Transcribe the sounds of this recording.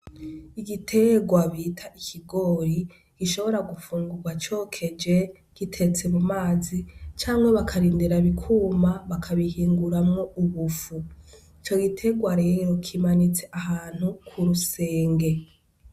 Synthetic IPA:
iɡitʰe̞ɡwaβitʰaʔikʰiɡo̞ːɾi | ɡ̥iʃo̞βo̞ɾaɡufuːŋɡuɡwat͡ʃo̞ːkʰe̞d͡ʒe | ɡ̥itʰe̞t͡se̞mumaːzit͡ʃaːŋɡeβakʰaɾiːndiɾaβikʰuːmaβakʰaβihiːŋɡuɾamŋouβufu | it͡ʃo̞ɡitʰe̞ɡwaɾe̞ːɾo̞kʰimanit͡se̞ʔaɦaːn̥hukʰuɾuseːŋɡe̞

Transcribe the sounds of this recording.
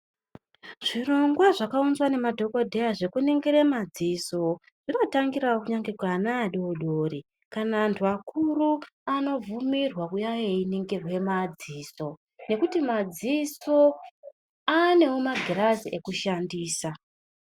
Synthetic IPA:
ʐ̥iro̞ŋɡwaʐakaunzwane̞madʱo̞ko̞dʱe̞jaʐe̞kuneŋɡeɾe̞mad͡ziso | ʐ̥ino̞taŋɡiɾawokuɲaŋɡekwanaːɗooɗoːri | kanaːntʰuakʰuruano̞vumirwakujajeineŋɡerwe̞mad͡ziːso̞ | ne̞kutimad͡ziso̞ | ane̞omaɡʱiraziʔe̞kuʃandiːsa

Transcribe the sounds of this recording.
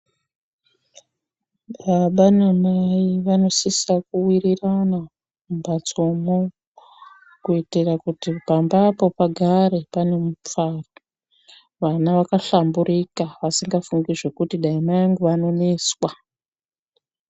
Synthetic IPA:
ɓaɓanomaiʋano̞sisakuwirirana | umbat͡so̞mo | kuitirakutipambapo̞paɡʱaɾe̞pane̞mup͡faro | ʋanaʋakaɬambuɾikaʋasiŋɡafuŋɡiʐe̞kutiɗaimajaŋɡuʋano̞ne̞swa

